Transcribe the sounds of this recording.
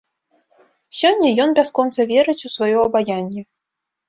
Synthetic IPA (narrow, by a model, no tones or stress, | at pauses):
sʲɔnʲːɐjɔnbʲaskɔnt̪sɐvʲɛɾɨt͡sʲusvajɔɐbajanʲːɛ